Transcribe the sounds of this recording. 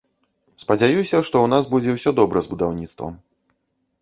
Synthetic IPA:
spɐd͡zʲajusʲɐʂt̪ɔwnazbud͡zʲɛwsʲɔd̪ɔbɾɐzbud̪awnʲit̪st̪vɐ̰m

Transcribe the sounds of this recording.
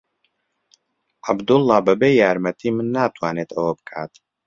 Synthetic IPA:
ʕabd̪ʊlˠːɑːbɐbeːjaːɾmɐt̪ʰiːmɨnːaːt̪ʰwaːneːt̪ʰɐwɐbɨkʰaːt̪

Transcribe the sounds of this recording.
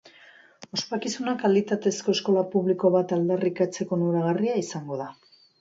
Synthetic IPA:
o̞spakisunakalit̪at̪e̞sko̞esko̞lapuβliko̞β̞at̪ald̪arikat͡se̞ko̞nuɾaɣariaisaŋɡo̞ða

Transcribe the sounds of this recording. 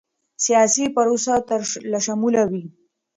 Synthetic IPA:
sijasipəɾosat̪əɾlaʃamulawi

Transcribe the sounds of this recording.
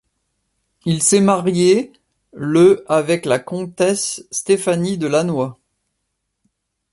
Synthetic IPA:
ilsɛmaʁje | ləavɛklakɔ̃t̪ɛsːt̪efanid̪əlanwa

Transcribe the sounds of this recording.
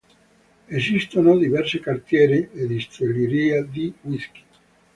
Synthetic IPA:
esist̪onod̪ivɛrsikart̪jɛːɾid̪ed̪ist̪ɾoliɾiːad̪iwiski̥

